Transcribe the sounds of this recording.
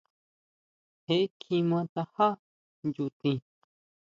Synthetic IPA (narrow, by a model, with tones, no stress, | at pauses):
he˧˦kʰĩ˧mã˧t̪a˧ha˦ | nju˧t̪ĩ˧